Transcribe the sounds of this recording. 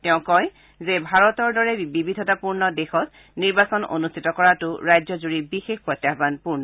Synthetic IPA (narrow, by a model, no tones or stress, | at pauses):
tɛʊ̃kɔj | zebʱaɹɔtɔɹdɔɹɛbibʱidʱɔtapuɹnɔdexɔt | niɹbasɔno̰nustʰitɔkɔɹatʊɹajzɔzuɹibixexpɹɔtjabanpuɹnɔ